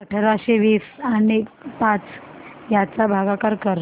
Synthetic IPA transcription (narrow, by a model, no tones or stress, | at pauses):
əʈʰɾaɕeʋiːsanipat͡sjat͡sabʱaɡakaɾkəɾ